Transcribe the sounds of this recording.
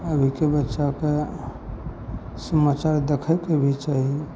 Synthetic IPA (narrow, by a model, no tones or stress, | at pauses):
əbʱikebətːʃake | səmat͡ʃaɾd̪ekʰəkebʱit͡ʃaɦie